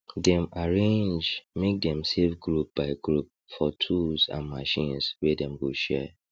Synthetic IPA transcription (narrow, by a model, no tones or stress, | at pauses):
dɛ̃maɹẽnd͡ʒmek̚dɛ̃msefɡɹup̚b̥aɪɡɹup̚fɔtʰusã̰nmaʃĩnswɛdɛ̃mɡoʃɛ